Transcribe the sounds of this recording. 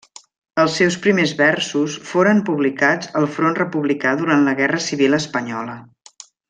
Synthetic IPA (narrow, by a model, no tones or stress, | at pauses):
əlˠsːɛwspɾimezβɛɾsusfoɾəmpuβlikad͡zəlˠfɾonrəpuβlikaðuɾant̪ləɣɛrəsiβilˠəspəɲɔlə